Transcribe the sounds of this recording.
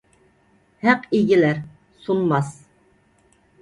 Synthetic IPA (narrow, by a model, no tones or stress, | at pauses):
hæqiɡʲilæɾ | sunmɑs